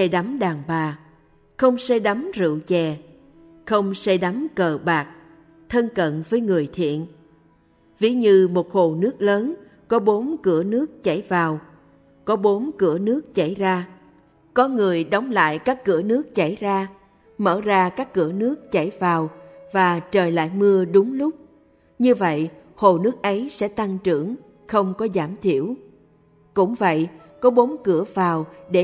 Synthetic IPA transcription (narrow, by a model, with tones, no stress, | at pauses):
ɛ˧ɗa˨˦mɗaː˨˩ŋɓaː˨˩ | xə˧wŋ͡msɛ˧ɗa˨˦mzɨ̰˧˨wt͡ɕɛ˨˩ | xə˧wŋ͡msɛ˧ɗa˨˦mkəː˨˩ɓaː˨˩k̚ | t̪ʰə˧nkə̰˧˨nvəː˨˦jŋɨ˨˩əjt̪ʰḭ˧˨ən | vi˨˦ɲɨ˧mo˨˩t̚xo˨˩nɨ˦˥ək̚ləː˨˦n | kɔ˨˦ɓo˨˦nkɨ˧˩ənɨ˦˥ək̚t͡ɕa˧˩jvaː˨˩w | kɔ˨˦ɓo˨˦nkɨ˧˩ənɨ˦˥ək̚t͡ɕa˧˩jzaː˧ | kɔ˨˦ŋɨ˨˩əjɗɔ˨˦wŋ͡mla̰ː˧˨jkaː˦˥kːɨ̰˧˩ənɨ˦˥ək̚t͡ɕa˧˩jzaː˧ | mə̰ː˧˩zaː˧kaː˦˥kːɨ̰˧˩ənɨ˦˥ək̚t͡ɕa˧˩jvaː˨˩wvaː˨˩t͡ɕəː˨˩jla̰ː˧˨jmɨ˧əɗʊ˨˦ŋ͡mlʊ˦˥k͡p̚ | ɲɨ˧və̰˧˨j | ho˨˩nɨ˦˥ək̚ʔə˨˦jsɛ̰˧˥t̪a˧ŋt͡ɕɨ̰˧˩˨əŋ | xə˧wŋ͡mkɔ˨˦zaː˧˩mt̪ʰi˧˩əw | kʊ̰˧˥ŋ͡mvə̰˧˨j | kɔ˨˦ɓo˨˦nkɨ˧˩əvaː˨˩wɗe˧˩